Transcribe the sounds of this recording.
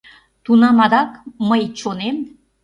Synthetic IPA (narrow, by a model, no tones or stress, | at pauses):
t̪unɑmɑd̪ɑkməjt͡ɕonem